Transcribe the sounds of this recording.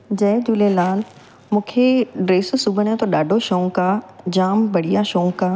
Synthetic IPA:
d͡ʑɛːd͡ʑuːlelaːl | mũːkʰeɖɾeːssʊɡʱəɽ̃jõt̪ʰoɗaːɖʱoʃoõkaːd͡ʑaːmbɐɽ̤ijaʃoːõkaː

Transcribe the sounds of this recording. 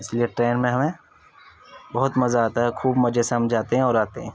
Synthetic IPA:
ɪslieʈɾeːnmẽɦɐmẽ | bɐɦʊt̪mɐzaaːt̪aɦɛkʰuːbmɐd͡ʒesɐɐmd͡ʒaːt̪eɦɛ̃ɔːɾaːt̪eɦɛ̃ː

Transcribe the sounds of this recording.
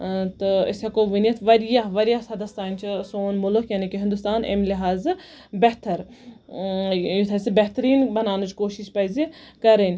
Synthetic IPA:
t̪ɨḭsɐkoːʋinjɐt̪ʰʋɐɾjaɦʋɐɾijaɦsɐd̪ɐst̪aːnʲt͡ʃʰisoːnmʊlukjaːnikiɦɪnd̪ust̪aːnḛmliɦaːz | bɛɦt̪ɐɾ | jut̪ʰɐsibeɦt̪ɾiːnbɐnaːnut͡ʃkoːʃiʃpɐjzikɐɾenʲ

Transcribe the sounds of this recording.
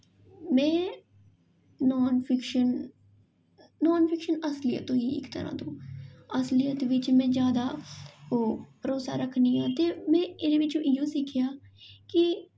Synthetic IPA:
mɛ̃ː | ɔːnpʰɪkʃən | ɔːnpʰɪkʃənəslɪjə̰t̪õːiːɪ̰kt̪ə̰ɾã̰ːt̪õːəslijət̪ʋɪt͡ʃmɛ̃ːd͡ʒjaːd̪aːoːpəɾoːsa̰ːɾəkʰːniːãːt̪eːmɛ̃ːɪɾẽːʋɪt͡ʃõːʔɪjõːsɪkʰːɪjaːkɪ

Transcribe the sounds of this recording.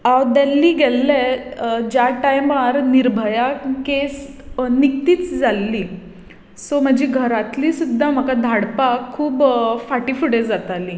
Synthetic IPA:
awd̪ɛlːiːɡɛlːɛd͡ʑjaʈajmaɾniɾbʱəjakes | nik̚t̪iːt͡sd͡zalːiː | som̤əd͡ʑiɡʱəɾat̪liːsud̪ʱːam̤əkad̪ʱaɽpakʰːuːbfaʈiːfuɽed͡zat̪aliː

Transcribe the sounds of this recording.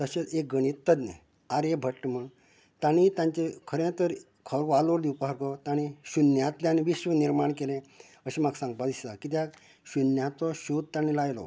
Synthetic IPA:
t̪əɕeek̚ɡəɽ̃it̪ːəd̪nə | aɾebʱəʈːməɳ | t̪ãñĩt̪ãɲt͡ɕekʰəɾẽt̪əɾ | kʰəɾʋaloɾd̪ipaɦəɾkɔt̪aɽ̃iɕunjat̪ljaniʋiɕʋəniɾmaɳkelẽ | əɕimaɡsãŋɡ̚pad̪isakit̪̬ja | ɕunjãt̪ɔɕud̪̚t̪ãñĩlajlɔ̰

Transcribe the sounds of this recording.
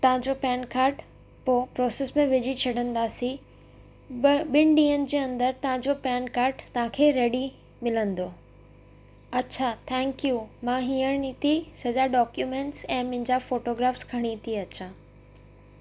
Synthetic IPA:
t̪ɐʋ̤ãd͡ʑopɛːnkaːɾʈ | poːpɾɔːsesmẽʋɪd͡ʑit͡ɕʰɐɖə̃nd̪aːsi | ɓɪnɪɖĩːənɪ̆d͡ʑeːɐ̃nd̪əɾt̪ɐʋɦãɲd͡ʑopɛːnkaːɾʈt̪ɐʋ̤ãkʰeːɾeːɖi | mɪlə̃nd̪oː | ɐtːɕʰat̪ʰɛ̃ːŋkjumãɦĩːəɽ̃it̪ʰisɐd͡ʑaɖɔːkjumẽːɳʈsɛ̃ːmʊ̃ɦɪ̃ɲd͡ʑafoːʈoːɡɾaːfskʰɐɽ̃it̪ʰiɐtːɕʰaː

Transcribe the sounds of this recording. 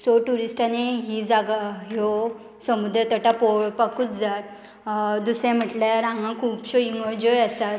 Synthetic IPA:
soʈuɾisʈaneɦid͡zaɡaɦjo | səmud̪ɾət̪əʈapoɭpakut͡sd͡zat̪ | d̪usɛ̃m̤əʈlaɾãŋɡãkʰuːpɕoiŋəd͡ʑɔjəsat̪

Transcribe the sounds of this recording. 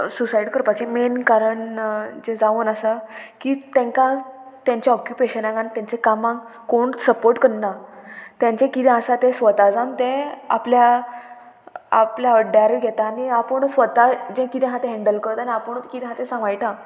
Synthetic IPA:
susaiɖkəɾpat͡ɕẽmenkaɾəɳd͡ʑẽd͡zaʋunəsakiːt̪ɛ̃ŋkat̪jãɲt͡ɕeɔkjupeɕənãɡãnt̪jãɲt͡sekamãŋɡ | koɳsəpoɾʈkəɽnat̪jãɲt͡ɕẽkit̪ɛ̃asat̪ẽsʋət̪ad͡zãnt̪ẽa̰plja | a̰pljaəɖaɾɡʱɛt̪aːniapəɳsʋət̪ad͡ʑɛ̃kit̪ɛ̃ɦãt̪ẽɦɛ̃ɳɖəlkəɾt̪aniapəɳt̪kit̪ɛ̃ɦãt̪eɛ̃sãʋajʈã

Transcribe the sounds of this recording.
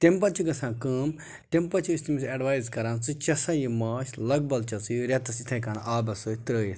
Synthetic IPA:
t̪empɐt͡ʃiɡɐsãːkəːm | t̪empɐt͡ʃʰiist̪imisɐɖʋaːjzkɐɾaːnt͡sɨt͡ʃɐsaːjimaːʃlɐɡ̚bɐlt͡ʃɐt͡sɨjɾɐt̪ɐsit̪ʰɐ̃kɐnʔaːbɐsɨt̪ɾəːjis

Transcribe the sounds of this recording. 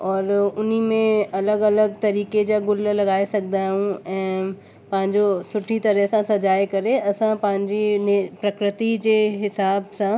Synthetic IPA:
ɔːɾʊn̤imẽɐləɡɐləɡt̪ɐɾiːked͡ʑaɡʊllɐɡaːesɐknd̪aɦũɛ̃ː | pɐ̃ɦɪ̃ɲd͡ʑosʊʈʰit̪ɐɾəɦsãsɐd͡ʑaːekɐɾeɐsãpɐ̃ɦɪ̃ɲd͡ʑinpɾɐkɾɪt̪id͡ʑeːɦɪsaːbsã

